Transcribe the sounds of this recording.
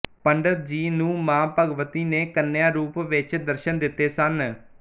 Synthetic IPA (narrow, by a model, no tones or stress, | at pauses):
pəɳɖəɾ̚d͡ʒiːnũːmãːpəɡʋət̪iːneːkənːejãːɾuːpʋɪt͡ʃd̪əɾʃənd̪ɪt̪ːeːsən